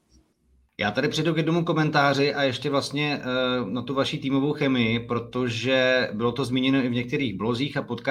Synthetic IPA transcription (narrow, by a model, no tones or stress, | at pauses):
jaːt̪adɪpr̝̥ɛdukjɛdno̞muko̞mɛnt̪aːr̝ɪʔajɛʃcɛvlast̪ɲɛnat̪uvaʃiːt̪iːmo̞vo̞wxɛmɪjɪpɾo̞t̪o̞ʒɛbɪlo̞t̪o̞zmiːɲɛno̞ɪvɲɛk̚t̪ɛɾiːɣblo̞ziːxapo̞t̪ka